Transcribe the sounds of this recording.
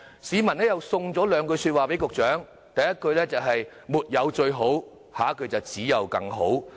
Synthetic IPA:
siː˨˧mɐ˨˩nɛː˥jɐ˨wsʊ˧ŋt͡sɔː˨˥lœː˨˧ŋkɵ˧ɥsyː˧t̚waː˨pe˨˥kʊ˨k̚t͡ʃœː˨˥ŋ | t̪ɐ˨˩jɐ˥t̚kɵ˧ɥlɛː˥t͡sɐ˨wɦɐ˨j | muː˨˩t̚jɐ˨˧wt͡ʃɵ˧ɥɦo˨˥w | haː˨˥kɵ˨˧ɥt͡sɐ˨wt͡siː˨˥jɐ˨˧wkɐ˧ŋɦo˨˥w

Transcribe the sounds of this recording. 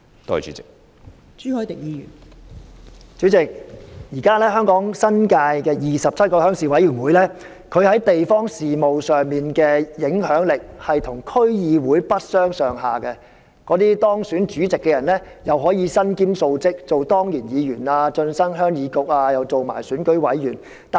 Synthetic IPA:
t̪o˥hɐ˨t͡ʃy̰ː˨˦˥t͡sɪ˨˩k̚ | t͡ʃy˨˥hɔː˨˥jt̪ɪ˨k̚jiː˨˧jy̰˨˩n | t͡ʃyː˨˥t͡sɪ˨k̚jiː˨˩kaː˥lɛː˥ɦœː˥ŋkɔː˨˥ŋsɐ˥nkaː˧jkɛː˧jiː˨˩sɐ˨p̚t͡sʰɐ˥t̚kɔː˧hœː˨˥ŋsiː˨˩wɐ˨˥jyː˨˩nwuː˨˥jlɛː˥ | kʰɵ˨˧ɥhɐ˨˥jt̪e˨jfɔː˥ŋsiː˨˩mo˨wsœː˨˩ŋmiː˨nkɛː˧jɪ˨˥ŋhœː˨˥ŋlɪ˨k̚hɐ˨jt̪ʰʊ˨˩ŋkʰɵ˥ɥjiː˨˧wuː˨˥jpɐ˥t̚sœː˥ŋsœː˨ŋɦaː˨kɛ˧ | kɔː˨˥t̪iː˥t̪ɔː˥ŋsyː˨˥nt͡ʃyː˨˥t͡sɪ˨kːɛː˧jɐ˨˩nlɛː˥ | jɐ˨wɦɔː˨˥jiː˨˧sɐ˥nkiː˥mso˧wt͡sɪ˥k̚t͡so˨wt̪ɔː˥ŋjiː˨˩njiː˨˧jyː˨˩naː˧t͡ʃɵ˧nsɐ˥nɦœː˥ŋjiː˨˧kʊ˨k̚aː˧jɐ˨˧wt͡so˨wma̰ː˨˩jsyː˨˥nkɵ˨˥ɥwɐ˨˥jjyː˨˩n | t̪a˨

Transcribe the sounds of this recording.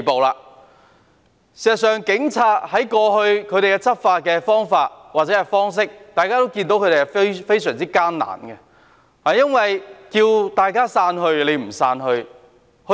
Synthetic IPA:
po˨wlaː˧ | siː˨˩ztsœː˨˩ŋkɪ˨˥ŋt͡sʰaː˧t̚hɐ˨˥jkɔː˧ɦɵ˧ɥkʰɵ˨˧ɥɾe˨jkɛ˧t͡sʰɐ˥t̚faː˧t̚kɛː˧fɔː˥ŋfaː˧t̚waː˨t̚t͡sɛ˨˦˥ɛ˨˧fɔː˥ŋs̬ɪ˥k̚t̪aː˨jkaː˥t̪o˥wkiː˧nt̪o˨˥wkʰɵ˨˧ɾe˨˩hɐ˨ffe˥jsœː˨˩ŋt͡siː˥kaː˥nna̰ː˨˩nɡɛ˧ | haː˨jɐ˥nwɐ˨jkiː˧wt̪aː˨jkaː˥saː˧nɦɵ˧ɥle˨˧jm̩˨˩saː˧nɦɵ˧ɥ | hɵ˧

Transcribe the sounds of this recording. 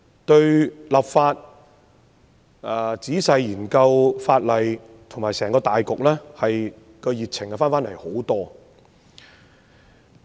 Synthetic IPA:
t̪ɵ˧ɥlɐ˨˩p̚faː˧t̚ | ɛ˨˩t͡siː˨˥sɐ˨˧jjiː˨˩nkɐ˧wfaː˧t̚lɐ˨j | t̪ʰʊ˨˩ŋmaː˨˩sɛː˨˩ŋkɔː˧t̪aː˨jkʊ˨k̚lɛː˥hɐ˨j | kɔ˧jiː˨˩k̚t͡sʰɪ˨˩ŋkɛ˧faː˥nfaː˥nlɐ˨˩jho˨˥wt̪ɔː˥

